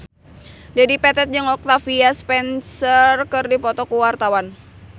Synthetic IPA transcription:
dadipɛt̪ɛt̪̚d͡ʒɨŋɔk̚t̪afiaspɛnsərkɨrdipɔt̪ɔkuwart̪awan

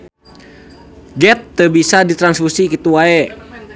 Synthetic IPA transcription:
ɡɛt̪ːəbisadit̪ɾansfusikit̪uaɛ

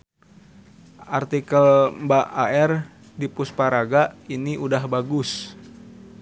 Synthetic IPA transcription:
ʔart̪ikəlmbaʔaɛr | dipuspaɾaɡaʔiniʔudahbaɡʊs

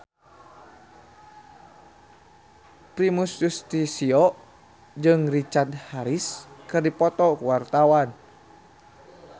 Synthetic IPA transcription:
pɾimusjust̪isiɔ | d͡ʒɨŋrit͡ʃard̪haɾiskɨrdipɔt̪ɔkuwart̪awan

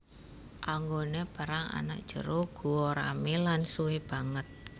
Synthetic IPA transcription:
ʔaŋɡonepaɾaŋa̰na̰k̚d̥ʒ̥əɾoɡ̥ṳwoɾa̰milansuwɪb̥a̤ŋət̪̚

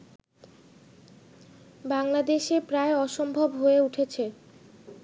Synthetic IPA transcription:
baŋlad̪eʃepɾaeɔʃombʱobɦoeuʈʰet͡ɕʰe

